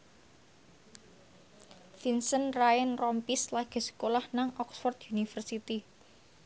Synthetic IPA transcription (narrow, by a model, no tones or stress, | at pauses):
finsənraənrɔmpislaɡ̥e̤sə̥kolahnaŋʔɔksfɔrt̪junifərsit̪i